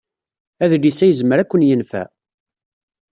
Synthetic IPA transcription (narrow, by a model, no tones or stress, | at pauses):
æðlisæjəzməɾækʷːənjənfæ̰